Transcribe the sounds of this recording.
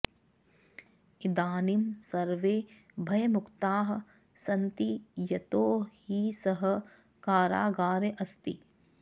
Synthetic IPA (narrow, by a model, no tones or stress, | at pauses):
id̪aːnimsɐɾʋeː | bʱɐjɐmʊkt̪aːɦɐ̆ | sɐnt̪ijɐt̪oːhisɐɦɐ̆ | kaːɾa̰ːɡaːɾeʔɐst̪i